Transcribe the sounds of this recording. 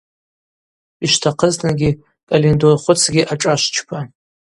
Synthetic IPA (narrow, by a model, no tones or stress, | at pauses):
iʃtʰaqʰəznaɡʲi | kʼalindorχʷʊt͡sʰɡʲiʔaʈ͡ʂʼaʃʷt͡ʃʰpʰa